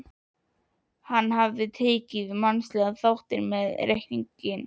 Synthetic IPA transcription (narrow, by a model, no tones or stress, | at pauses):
hanːɦavðɪt̪ʰeːcɪvɪmanslɛːɣaθawht̪ɪɾmɛðrehciɲcɪn